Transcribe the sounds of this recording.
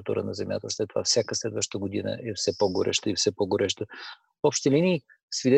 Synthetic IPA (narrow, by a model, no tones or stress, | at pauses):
t̪ṵɾə̰nɐzɛmja̰t̪əslɛt̪ːova̰fsʲjakəslɛd̪vəʃt̪əɡod̪inə̰ʔɛfsɛpoɡoɾʔɛ̰ʃt̪əifsɛpoɡoɾʔɛʃt̪ə | ɔpʃt̪ɛlini | svid̪ɛ